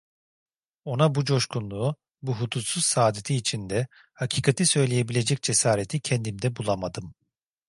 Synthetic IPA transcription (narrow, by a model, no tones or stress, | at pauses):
o̞nabud͡ʒo̞ʃkunlˠuː | buɦut̪ʰut̪suz̥saːd̪et̪ʰiːt͡ʃʰind̪ɛ | hacʰiːkʰat̪ʰisø̞jlʲeje̞bilʲe̞d͡ʒɛc̚d͡ʒesaːɾet̪ʰicʰɛnd̪imd̪ɛbulˠamad̪ɯm